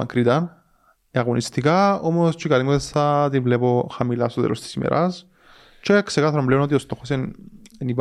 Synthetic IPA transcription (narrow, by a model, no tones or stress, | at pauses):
ɐŋkɾit̪ɐn | eaɣonist̪ikaomost͡ʃikalimɐesθat̪ivlepo̞xamila̰st̪oðḛlost̪i̥simḛɾʔɐs | t͡ʃeksekaθɐɾombleponot̪io̞st̪o̞xosenenip